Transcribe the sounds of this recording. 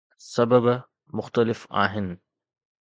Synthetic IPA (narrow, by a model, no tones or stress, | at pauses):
sɐbəb | mʊxt̪əlɪfa̰ːɦɪnɪ̆